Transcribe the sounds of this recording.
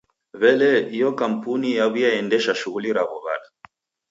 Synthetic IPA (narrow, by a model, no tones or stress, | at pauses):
βɛlɛijɔkam̩punijaβujaɛndɛʃaʃuɣuliɾaβɔβa̰la